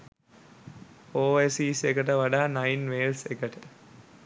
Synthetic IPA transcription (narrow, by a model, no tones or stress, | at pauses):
oːesiːsekəʈəʋaɖaːnajinʋeːlsekəʈə